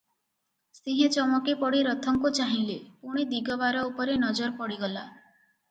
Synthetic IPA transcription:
sĩɦẽt͡ʃɔmɔkipɔɽiɾɔt̪ʰɔŋkut͡ʃaɦĩlepuɽ̃id̪iɡɔbaɾɔupɔɾenɔd͡ʒɔɾpɔɽiɡɔla

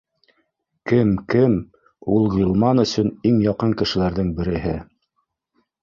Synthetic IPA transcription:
kɘmkɘm | ulˠʁilˠmɑnɵ̆sɵniŋjɑqɤŋkɘ̆ʃɘ̆læɾðɘŋbɘ̆ɾɘ̆ɦɘ̰

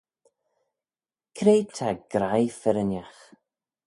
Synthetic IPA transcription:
kʰɾejt̪ʰaɡ̥ɾajfɛɾənjax

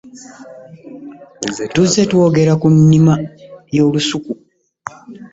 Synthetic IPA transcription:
tuzːe̞two̞ːɡe̞ɾakunːimajo̞ːlusuku

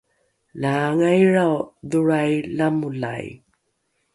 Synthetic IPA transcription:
laŋajɻawduɾajlamula̰j

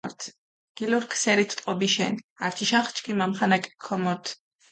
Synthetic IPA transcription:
ɾt̪ʰ | ɡ̥iluɾkʰsɛɾit̪ʰt̪ʼqʼɔbiʃɛ̰naɾt̪ʰiʃaχt͡ʃʰkʰimamχanakʼkʰɔmɔɾt̪ʰ

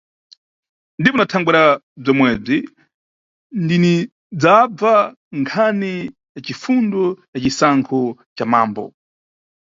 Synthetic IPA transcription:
ndipɔnatʰaŋɡwiɾa | b͡ʐɔmwɛːb͡ʐi | ndini | d͡zab͡va | ŋkʰani | jat͡ʃifundɔjat͡ʃisaŋkʰɔt͡ʃamaːmbɔ̰

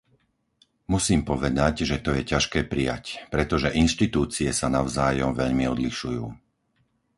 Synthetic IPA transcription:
musiːmpɔʋɛd̪aɟʒɛt̪ɔjɛcaʃkɛːpɾija̰cpɾɛt̪ɔʒɛʔinʃt̪it̪uːt͡siɛsanaʊzaːjɔmʋɛʎmiɔd̪liʃujuː

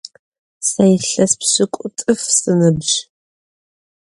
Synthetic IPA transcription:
sɐjɪɬɐspsɨkʷʼʊtʼɨfsɨnɨbʒ

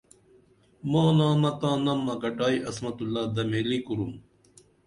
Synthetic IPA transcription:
mãːnãːmɐt̪ãːnɐmːɐɡɐʈaːiʔɐsmɐt̪ulːaːd̪ɐmeːlikuɾum

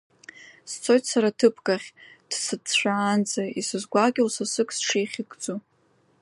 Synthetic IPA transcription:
st͡sʰo̞jtʰsaɾatʰɨpʰkʼaχʲd̥sɨtʃʷᶣaːnd͡zaisɨzɡʷaɡʲlsasɨkʰsʂiχʲɪɡʼd͡zo

